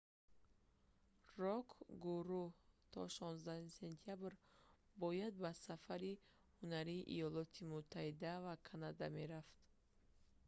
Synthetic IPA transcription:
rɔkʰɡuɾuht̪ʰɔ̰ʃɔnzd̪ahumise̞nt̪ʰijabɾ | bɔjad̪̚basafaɾi | hunaɾiːʔḭjɔlɔt̪ʰimut̪ʰːahid̪avakʰanad̪ame̞ɾaft̪

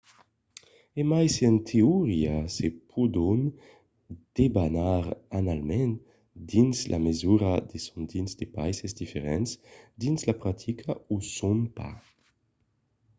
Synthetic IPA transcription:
emajsent̪ʰeuʁiasepʰud̪un | d̪̥ebanaɾanalmɛn | d̪inslʔa̰mezuɾad̪esund̪inzd̪epa̰jsezd̪ifeɾɛnsd̪inslapɾat̪ʰikʰausunpa̰

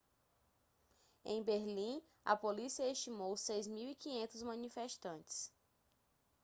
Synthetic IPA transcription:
ḛ̃j̃beɾlĩ | ɐ̰polisiɐeʃt͡ʃimowsejzmiwikĩɲẽnt̪ʊzmɐ̃nifeʃt̪ɐ̃t͡ʃɪ̥s

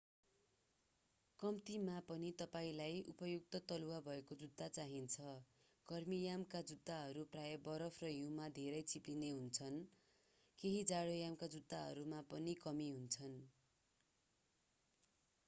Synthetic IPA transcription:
kʌmt̪imapʌnit̪ʌpaĩlajupʌjuk̚t̪ʌt̪ʌluwabʱʌekod͡zud̪ːat͡saɦint͡sʰʌ | kʌrmijamkad͡zud̪ʱːaɦʌɾuprajʌbʌɾʌpʰrʌjumad̪ʱeɾʌjt͡sʰiplineɦunt͡sʰʌn | keɦid͡zaɽojamkad͡zud̪ːaɦʌ̰ɾumapʌnikʌmiɦunt͡sʰʌn

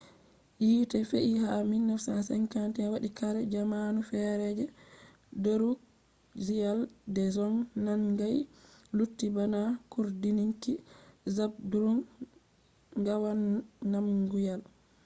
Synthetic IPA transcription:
jiːtɛfeʔihaminːɔfsasɛŋkantɛwaɗikaɾɛd͡ʒamanufɛɾɛd͡ʒɛ | doɾu | zijaldɛzɔŋnanŋɡajlutːibanakuɾdiniŋkizab̚duɾum | ɡawanːamɡujal

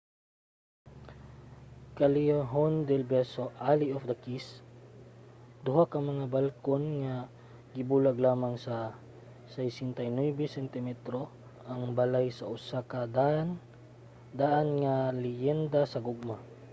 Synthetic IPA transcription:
kɐlɪaɦond̪ɛlbɛsoʔaliʔofd̪ɐkis | d̪ʊɦakɐŋmɐŋabalkonŋa | ɡɪbuːlaɡlaːmaŋsa | sajsɪnt̪ajnwɛbɛsɛnt̪ɪmɛt̪ɾo | ʔɐŋbɐlajsɐʔʊsakɐ | d̪aʔanŋalɪjɛnd̪asɐɡoɡ̚ma

